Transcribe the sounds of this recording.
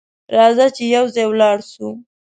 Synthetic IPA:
ɾɑzat͡ʃejawzɑjwlɑɽʃu

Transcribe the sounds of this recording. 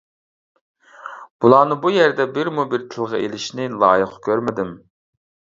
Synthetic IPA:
b̥ulˠɑːnɨbujɛɾd̪ɛbɪɾmubiɾt̪ʰɨlˠʁɑ̰elɪʃnɪlˠɑ̰ːjəqkʲʰøɾmɪd̪ɪm

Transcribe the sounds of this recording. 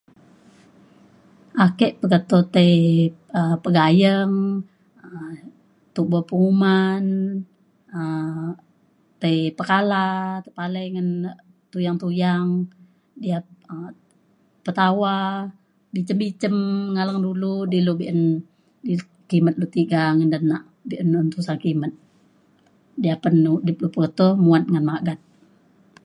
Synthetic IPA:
ʔakɛʔpəɡat̪ot̪əiəpəɡajəŋ | ə | t̪uʔbapuŋuman | ə | t̪əipəkalat̪əpaləjŋən | t̪ujaŋt̪ujaŋ | diaə | pət̪awa | bit͡ʃəmbit͡ʃəmŋalaŋduludilubiʔən | di | kimət̪̚lut̪iɡaŋəndənːaʔ | biʔənənt̪usankimət̪̚ | diapənudɪp̚lupət̪ohmuat̪̚ŋənmaɡat̪̚

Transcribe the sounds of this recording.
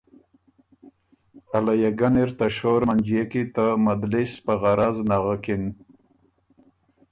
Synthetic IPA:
alajaɡaniɾt̪aʃoɾmand͡ʒijekit̪amad̪lispaɣaɾaznaɣakɪn

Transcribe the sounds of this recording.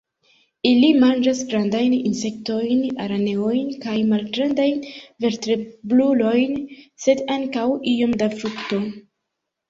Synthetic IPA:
ilimand͡ʒasɡɾandajninse̞kto̞jna̰ɾane̞o̞jnkajmalɡɾandajnve̞ɾtɾe̞blulo̞jnse̞daŋkawio̞mdafɾukto̞

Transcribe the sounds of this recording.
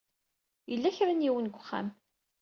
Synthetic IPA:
jəlːæçɾanjiwənɡʷəχːa̰m

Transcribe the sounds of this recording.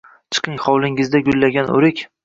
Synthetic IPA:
t͡ʃʰɨ̥qʰɪŋχɒwlˠɪŋɪzd̪aɡʲʊlːaɡʲanʔo̰ɾɪkʲ

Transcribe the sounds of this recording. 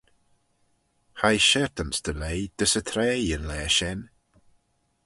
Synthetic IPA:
hajʃɛɹt̪ənsd̪̥əlejd̪̥əsət̪ʰɾɛːənlɛːʃɛn

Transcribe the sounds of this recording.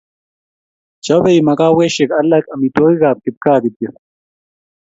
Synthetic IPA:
t͡ɕɐbeimɐkaːweɕekɐlːɐkɐmit̪oːɣiɣaːp̚kit̪̚kaːd̪it̪̚e

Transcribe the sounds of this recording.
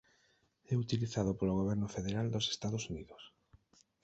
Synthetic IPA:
ɛut̪iliθað̞opoloɣ̞oβ̞ɛɾnʊfeðeɾald̪ose̥st̪að̞osuniðʊs

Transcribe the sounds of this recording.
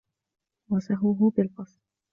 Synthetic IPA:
wasaɦʊɦʊbɪlqɑsˤɾ

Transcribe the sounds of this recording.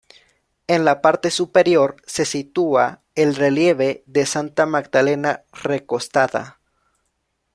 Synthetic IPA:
e̞nlapaɾt̪e̞supe̞ɾjo̞ɾse̞sit̪ua | elre̞lje̞βe̞ðe̞sant̪amaɡ̚d̪ale̞nare̞ko̞st̪aða̰

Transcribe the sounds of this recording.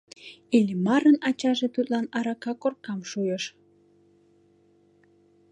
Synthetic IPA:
ilʲmɑɾənɑt͡ɕɑʒet̪ut̪lɑnɑɾɑkɑkorkɑmʃujəʃ

